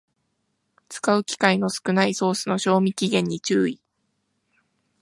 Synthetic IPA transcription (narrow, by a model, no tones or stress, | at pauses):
t͡sɨ̥kaɯ̟kʲi̥kaino̞sɨ̥kɯ̟naiso̞ːsɨno̞ɕo̞ːmʲikʲiɡẽ̞ɲ̟ːit͡ɕɨːi